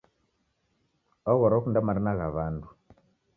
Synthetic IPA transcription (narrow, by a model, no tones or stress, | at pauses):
ɔɣɔɾɔkundamaɾinaɣaβandu